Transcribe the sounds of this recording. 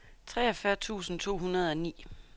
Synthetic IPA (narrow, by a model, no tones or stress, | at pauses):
t͡sʰʁɛɒfɶɐt͡sʰṵːsn̩t͡sʰo̝̰ːɦunɐð̞ˠɒ̽nḭː